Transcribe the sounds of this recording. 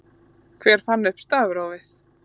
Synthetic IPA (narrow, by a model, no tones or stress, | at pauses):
kʰv̥ɛːɾ̥fanːʏhpst̪aːðʏɾawvɪθ